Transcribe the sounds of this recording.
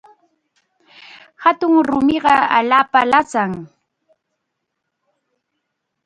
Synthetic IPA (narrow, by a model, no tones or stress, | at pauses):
hat̪ʊŋɾʊmɪɢɑa̰ʎaːpalat͡saŋ